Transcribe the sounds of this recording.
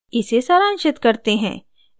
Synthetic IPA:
ɪsesaɾãːnʃɪt̪kɐɾt̪eɦɛ̰̃ː

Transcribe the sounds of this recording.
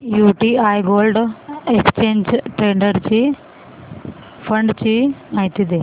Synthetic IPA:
juːʈiaːjɡoːlɖekst͡ʃeːɲd͡ʒʈɾeːɳɖɐɾt͡ʃi | pʰɐɳɖt͡ʃiɐjt̪id̪e

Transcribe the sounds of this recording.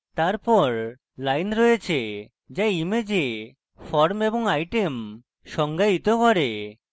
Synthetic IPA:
t̪aɾpɔɾ | lajnɾɔjet͡ɕʰe | d͡ʑaimed͡ʑe | fɔɾmeboŋajʈem | ʃɔŋɡait̪okɔɾe

